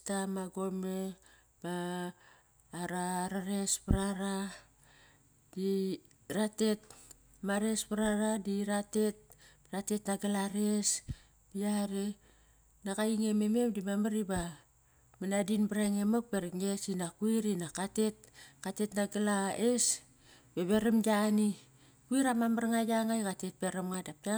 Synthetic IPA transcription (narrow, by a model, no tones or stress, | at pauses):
tamaɡome̞ | b̥a | ɾaɾaɾe̞spaɾaɾa | di | ɾate̞t̚ | maɾe̞spaɾaɾadiɾate̞t̚ | ɾate̞tnaɡalaɾe̞s | biaɾe | nakajiŋeme̞me̞mdimamaɾiba | manadinbɾaŋemak̚beɾiŋe̞sinakuiɾinakate̞t̚kate̞tnaɡalaes | beβeɾamɡani | kuiɾamamaɾŋajaŋajkate̞t̚beɾamŋadap̚da